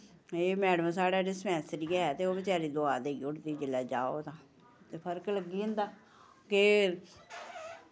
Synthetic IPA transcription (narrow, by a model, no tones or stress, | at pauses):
eːmɛːɽəmsaːɽaːɖɪsmɛ̃ːsɾiːaɦɛːt̪eːoːbɪt͡ʃaːɾiːd̪oaːd̪eːiʊʈd̪iːd͡ʒɪlɛːd͡ʒaːo̰ːt̪ãː | t̪eːpʰəɾkləɡiːʊ̃nd̪aː | ke